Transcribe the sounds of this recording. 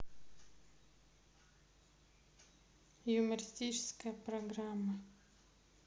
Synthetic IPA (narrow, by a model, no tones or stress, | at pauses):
jʊməɾʲɪsʲt̪ʲit͡ɕɪ̥skəjəpɾɐɡramːə